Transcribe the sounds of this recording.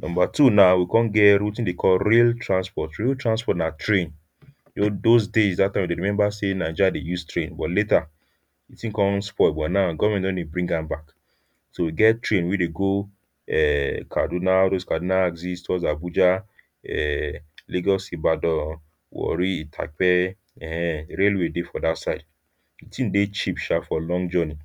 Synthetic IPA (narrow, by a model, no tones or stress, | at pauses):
nɔ̃mbatunawikɔ̃nɡɛtɾutĩndekʰɔlɾiltʰɹãnspɔtɹiltɹãnspɔtnatʰɹẽn | nodozdesdatːãɪ̃mdeɾimɛ̃mbasenãd͡ʒadejustɹẽnbɔtleta | itĩkɔ̃nspɔɪlbɔtnaʊɡɔvmɛ̃ntdɔ̃nĩbɹĩŋɡãmbak | sowiɡɛttɾẽnwideɡo | ɛkʰadunaɔdoskadunaakzistɔzabud͡ʒa | ɛliɡɔsibadɔ | wɔ̰ɾiitʰa̰k͡pɛ | ɛhɛ̃ɾelwedefɔdatsaɪd | itʰĩndet͡ʃipʃafɔlɔ̃ŋd͡ʒɔni